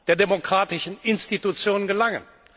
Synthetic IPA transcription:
d̥eːɐdemokʁ̥aːtɪʃn̩ɪnstitut͡sjoːnənɡəlaŋə̰n

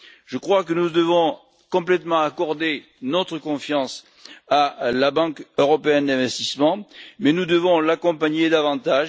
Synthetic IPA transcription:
ʒəkχwakənud̪əvɔ̃ | kɔ̃plɛt̪mɑ̃akɔʁd̪e | nɔt̪χəkɔ̃fjɑ̃s | alabɑ̃køʁɔpeɛnd̪ɛ̃vɛst̪ismɑ̃mɛnud̪əvɔ̃lakɔ̃paɲed̪avɑ̃t̪aʒ

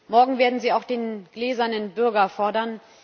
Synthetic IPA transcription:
mɔɐɡŋ̩veːɐdn̩ziːaʊxd̥eːnɡ̥lɛːzɐnənbʏɐɡɐfɔɐdɐn

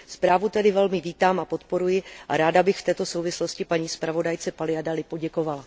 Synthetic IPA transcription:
spɾaːvut̪ɛdɪvɛlmɪviːt̪aːmapo̞t̪po̞ɾujɪʔaɾaːdabɪxft̪ɛːt̪o̞so̞wvɪslo̞scɪpaɲiːspɾavo̞dajt͡sɛpalɪadalɪpo̞ɟɛko̞vala

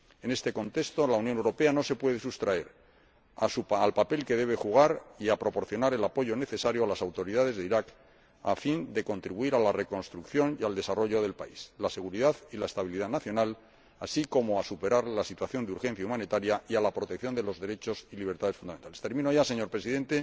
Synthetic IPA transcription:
e̞ne̞st̪e̞ko̞nt̪e̞kst̪o̞launjonewɾo̞pe̞ano̞se̞pwe̞ð̞e̞sust̪ɾae̞ɾ | asualpape̞lke̞ðe̞β̞e̞xuɣ̞aɾiapɾo̞po̞ɾθjo̞naɾe̞lapo̞ʝo̞ne̞θe̞saɾjoalasawt̪o̞ɾiðað̞e̞zðeiɾak | a̰find̪e̞ko̞nt̪ɾiβuiɾalare̞ko̞nst̪ɾukθjo̞niald̪e̞saro̞ʝo̞ðe̞lpa̰islase̞ɣuɾiðaðilae̞st̪aβ̞iliðaðnaθjo̞nal | asiko̞mo̞asupe̞ɾaɾlasit̪waθjo̞nd̪uɾxe̞n̟θjaumãnit̪aɾjaialapɾo̞t̪e̞kθjo̞nd̪e̞lo̞zðe̞ɾe̞t͡ʃo̞siliβɾt̪aðe̞sfund̪ament̪alest̪e̞ɾmĩnoaʝase̞ɲo̞ɾpɾe̞siðe̞nt̪e̞

